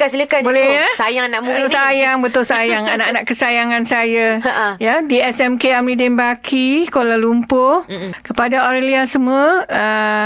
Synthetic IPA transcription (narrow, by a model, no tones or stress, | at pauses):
asiləkabolɛhɲasajaŋanaʔbuət̪ʊlsajaŋbət̪ʊlsajaŋanaʔanaʔkəsajaŋansajajadiɛsɛmkeamlidɛnbakʰikolalumpʊhkəpadaoɾeliasəməə